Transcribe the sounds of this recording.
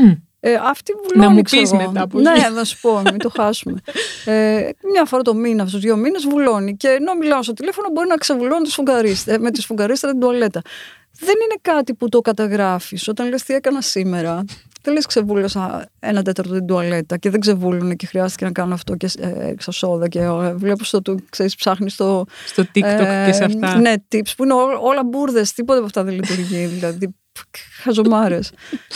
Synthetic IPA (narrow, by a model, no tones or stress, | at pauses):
eɐft̪ivulonikssɣoetɐpneðensu̥po̞mit̪o̞xɐsume̞emɲɐfo̞ɾɐt̪o̞minɐt̪uzðʝo̞minezvulo̞nice̞ːno̞milɐmost̪ot̪ilefo̞nobo̞ɾinɐksevulonunt̪isfuŋɡɐɾist̪emet̪isfuŋɡɐɾist̪ɾɐt̪id̪uɐle̞t̪ɐ | ðe̞nine̞kɐt̪iput̪o̞kɐt̪ɐɣɾɐfiso̞t̪ɐnlest̪ie̞kɐnɐsimeɾɐðeleskse̞vulosɐenɐt̪̬e̞t̪ɐɾt̪ot̪id̪uɐle̞t̪ɐceðeɡze̞vulunecexɾiɐst̪ice̞nɐkɐnuɐft̪o̞cesksɐso̞ðɐcevle̞pust̪ot̪ukseɾispsɐxnist̪o̞st̪ot̪isɐfne̞t̪ipspuineoo̞lɐbuɾðe̞st̪ipot̪epɐft̪ɐðelit̪uɾʝiðilɐði | xɐzomɐɾes